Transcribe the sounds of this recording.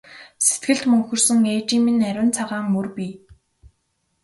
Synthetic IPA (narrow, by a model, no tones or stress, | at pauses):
se̥t̪ɡɘ̆ɬt̪mɵŋxɵ̆rsɵ̆ŋeːt͡ɕiːminæɾʲɘ̆nt͡sʰaʁaːŋːɵrpʲiː